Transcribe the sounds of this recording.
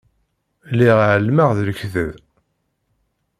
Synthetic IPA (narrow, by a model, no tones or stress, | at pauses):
liʁʕəlːmaʁðləçθəð